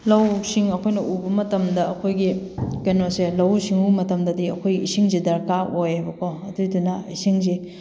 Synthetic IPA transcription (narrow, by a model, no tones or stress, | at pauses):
lɐwsiŋɐkʰojnɐʔubɐmɐtɐmdɐɐkʰojɡikenoselɐwsiŋumɐtɐmdɐdiɐkʰojɡiisiŋzidɐɾkaʔojajbɐkʰoɐdudunɐisiŋze